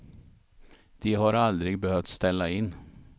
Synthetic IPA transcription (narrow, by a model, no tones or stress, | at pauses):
d̪̥iːhɑːɾɑld̪ɾɪɡ̚bəhœʋt̪st̪ɛlɑɪn